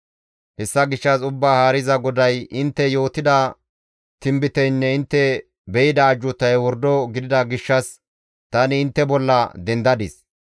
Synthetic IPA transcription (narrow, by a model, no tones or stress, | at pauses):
hɛsːɐɡɪʃːɐsʊbːaːhaːɾɪzɐɡɔd̪ɐjʔɪnt̪ːɛjo̞ːt̪ɪd̪ɐ | t̪ɪmbɪt̪ɛjnːɛɪnt̪ːɛ | bɛjɪd̪ɐːd͡ʒːʊt̪ːɐjwɔɾd̪ɔɡɪd̪ɪd̪ɐɡɪʃːɐs | t̪ɐnɪːnt̪ːɛbɔlːɐd̪ɛnd̪ɐd̪ɪs